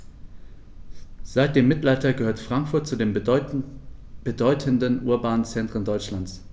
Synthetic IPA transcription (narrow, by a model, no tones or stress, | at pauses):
z̥aɪt̚d̥eːmːɪtlaɪtɐɡəhøːɐtfʁ̥aŋkfʊɐt̚t͡sudeːm | b̥ədɔʏtʰəndənʔuːɐbaːnt͡sɛntʁ̥əndɔʏt͡ʃlant͡s